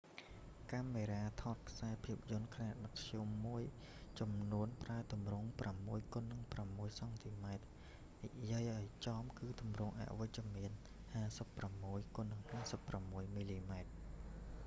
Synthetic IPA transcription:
kamːeːɾaːt̪ʰɑt̪̚kʰsaɛpʰiəp̚jʊ̆ənkʰnaːɗɑkkʰjumːuəj | t͡ɕɑmnuənpraət̪umrʊŋpramːuəjkonːɨŋpramːuəjsɑŋt̪ʰimaɛt̪̚ | niʔjiəjʔaɔjt͡ɕɑːmkɨːt̪umrʊŋʔa̰ʔʋɨc̚t͡ɕəmiən | haːsəpːramːuəjkonːɨŋhaːsəpːramːuəjmiːliːmaɛt̪̚

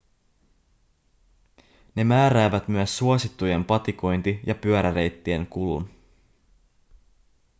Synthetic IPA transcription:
ne̞mæːɾæːʋæt̪myæsːuosit̪ːuje̞mpɑt̪iko̞jnt̪ijɑpyøɾæɾe̞jt̪ːie̞ŋkulṵn

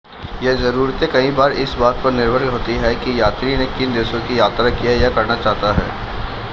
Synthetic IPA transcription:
jɛɦzɐɾuːɾt̪ekɐɦĩbaːɾɪsbaːt̪̚kpɐɾnɪɾbʱəɾkɦoːt̪iɦɛkijaːt̪ɾinekɪnd̪eːsõkijaːt̪ɾakijajakɐɾnat͡ʃaːɦt̪aɦɛ̰ː

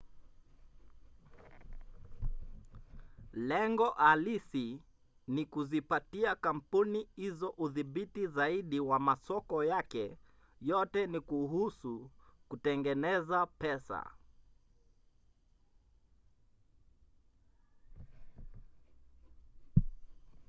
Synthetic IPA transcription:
lɛŋɡɔʔalisi | nikuzipatiakam̩punihizɔʔuðiɓitizaiɗiwamasɔkɔjakɛ | jɔtɛnikuhusukutɛŋɡɛnɛzapɛsa̰

